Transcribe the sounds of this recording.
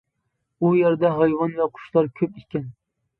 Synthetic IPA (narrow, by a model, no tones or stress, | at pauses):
ujeɾd̪ɛɦɑjwɑnvɛqʰʊ̥ʃlˠɑɾkʲʰøpikʲɛn